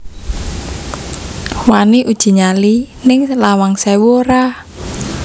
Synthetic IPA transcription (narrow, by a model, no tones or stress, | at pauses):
waniʔud̥ʒ̥i̤ɲali | nɪŋlawaŋsɛwoɾa